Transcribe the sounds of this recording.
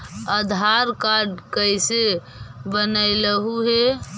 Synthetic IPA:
əd̪ʱaɾkaɖkəjse | bənəɪləɦuɦe

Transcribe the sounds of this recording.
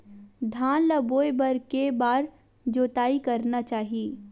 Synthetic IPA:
d̪ʱaːnlɐboːebɐɾkebaːɾ | d͡ʒoːt̪aːikɐɾnat͡ʃaːɦieː

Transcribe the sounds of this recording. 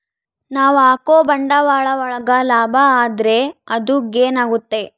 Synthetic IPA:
naːʋaːkoːbɐɳɖɐʋaːɭɐʋɔɭɐɡɐlaːbʱɐaːd̪ɾe̞ɐd̪uɡeːnaːɡut̪ːe̞

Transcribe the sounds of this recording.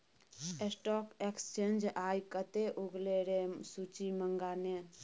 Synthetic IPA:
esʈɔːkekst͡ʃeːnd͡ʒaːjkət̪eʔuɡleɾesut͡ʃiməŋɡaːne

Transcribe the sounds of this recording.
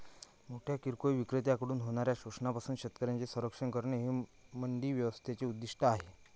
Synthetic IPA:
moʈʰjakiɾkojʋikɾət̪jakəɽuːnɦoɽ̃aɾjaɕuʂnapasuːnɕət̪kəɾjant͡sesə̃ɾəkʂəɳkəɾɳeɦemənd̪iːʋjəʋəst̪ʰet͡ɕeud̪ːiʂʈʰəaɦe

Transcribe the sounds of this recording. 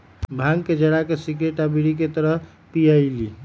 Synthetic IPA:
bʱãŋɡked͡ʒəɽakesikɾeʈabiɽik̬et̪əɾəɦ | pijəjli

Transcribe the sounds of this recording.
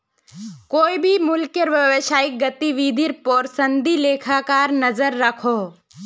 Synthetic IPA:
koːibʱimʊlkjəɾʋɐʋeʃaːɪk̚ɡɐt̪iʋid̪ʱiɾpɔːɾsə̃nd̪ʱileːkʰaːkaːɾnɐzəɾːɐkʰoː

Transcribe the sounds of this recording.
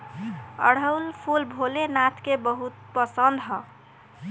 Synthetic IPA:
ə̰ɽ̤əwlpʰulbʱolenat̪ʰkebəɦut̪̚pəsənd̪ɦɔ

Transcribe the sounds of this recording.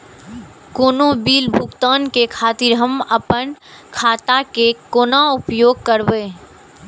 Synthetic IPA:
koːnobiːlbʱʊɡt̪aːnkekʰaːt̪ɪɾɦɐmɐpən | kʰaːt̪akekoːnaʊpjoːɡ̚kəɾʋeː

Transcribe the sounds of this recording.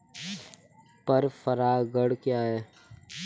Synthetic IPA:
pəɾfəɾaːɡəɽkjaːɦɛː

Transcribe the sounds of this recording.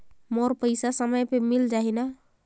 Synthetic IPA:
moɾpəjsasəməjpemild͡ʒaɦina

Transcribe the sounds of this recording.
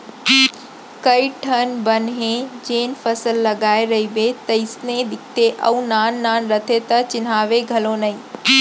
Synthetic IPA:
kɐiʈʰɐnbɐnɦẽd͡ʑeːnfɐsəlːɐɡaːeɾɐɦibet̪ɐɪsned̪ɪkʰt̪eʔɐũnaːnːaːnɾɐt̪ʰet̪ɐt͡ɕɪn̤aːʋeɡʱɐlonɐĩ

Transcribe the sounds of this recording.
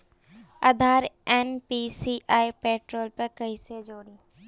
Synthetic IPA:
ɐd̪ʱaːɾeːnpisiːʔaːipeːʈɾoːlpɐɾkɐɦised͡ʒoːɽĩː

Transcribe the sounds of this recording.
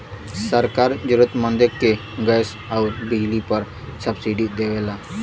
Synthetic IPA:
səɾkaɾd͡ʑuɾət̪mə̃nd̪əkːe | ɡəs | auɾbiɦlipəɾ | səbsiɖid̪eʋela

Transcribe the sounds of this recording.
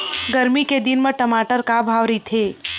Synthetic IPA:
ɡəɾmiked̪inmeʈəmaːʈəɾkabʱaːʋɾit̪ʰeː

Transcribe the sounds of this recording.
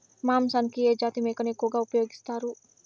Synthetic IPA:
mamsankied͡ʒat̪imekənekoɡaupɐjoɡist̪aɾu

